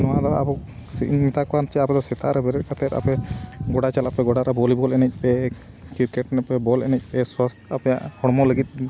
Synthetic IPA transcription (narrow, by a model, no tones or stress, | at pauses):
nɔwaʔd̪ɔa̰buk | sḭʔmit̪akɔant͡ʃɛapɛd̪ɔsɛt̪ʰaʔɾɛbɛɾɛt̪̚kat̪ɛt̪a̰pɛɡɔɽat͡ʃalapɛɡɔɽaɾɛbɔlibɔlɛnɛc̚ˀpɛ | kiɾkɛʈnɛpɛbɔlɛnɛc̚ˀpɛswast̪ʰapɔja̰ʔhɔɽmɔləɡit̪̚ˀ